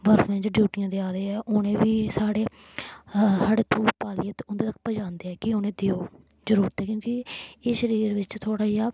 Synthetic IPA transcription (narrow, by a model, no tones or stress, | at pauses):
ʋəɾfʰʋẽːd͡ʒɖjuːʈijãːd̪eːaːɾeːɛːʔʊnẽːʋiːsaːɽeː | saːɽeːt̪uːpaːliət̪ʊnd̪eːt̪ək̚ʰːpəd͡ʒãːnd̪eɛːkɪoːnẽːd̪eːoːzəɾuːɾət̪ɛːkjõːkieːʃəɾiːɾʋɪt͡ʃt̪ʰoːɽaːijaː